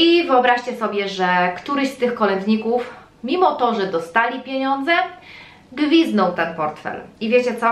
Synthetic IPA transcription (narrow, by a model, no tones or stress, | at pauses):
ivɘɔbɾaʂt͡ɕɛsɔbʲjɛʐɛkt̪uɾɘɕst̪ɘxkɔlɛnd̪ɲikuf | mʲimɔt̪ɔʐɛd̪ɔst̪alʲipʲjeɲɔnd̪zɛ | ɡvʲiznɔ̃w̃t̪ɛnpɔɾt̪fɛ̰livʲjet͡ɕɛt̪sɔ